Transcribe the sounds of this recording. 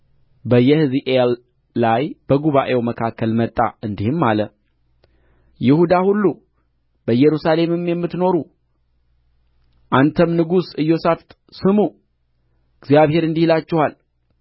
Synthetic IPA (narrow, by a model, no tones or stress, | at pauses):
bəjːɛhɨziʔelː | ajb̥əɡuβaʔe̞wməkʰakːəlmət̪ʼːa̰ɨnd̪ihɨmːalə | jɪhud̪ahulːu | b̥əjɛɾusale̞mɨmjɛmːɨt̪no̞ɾu | ʔant̪ʰəmnɨɡusɨjːo̞saft̪ʼ | sɨmu | ɨɡzjaβhe̞ɾɨnd̪ihlat͡ʃːɛhal